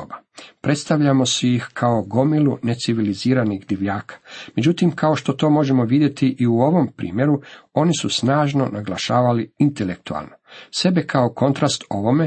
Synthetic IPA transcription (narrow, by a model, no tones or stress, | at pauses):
obapɾe̞t̪st̪aʋʎamo̞sujixkʰaoɡo̞milune̞t̪siʋiliziːɾaniɣd̪iʋʎaːkḁme̞d͡ʑut̪imkaoʃt̪o̞t̪o̞ːmo̞ʒe̞mo̞ʋid̪je̞t̪iʔiuo̞ʋo̞mpɾḭːmje̞ɾuo̞nisusnaːʒno̞naɡlˠaʃaːʋaliint̪elek̚t̪ua̰lˠnose̞be̞kʰaoko̞nt̪ɾast̪o̞ʋo̞me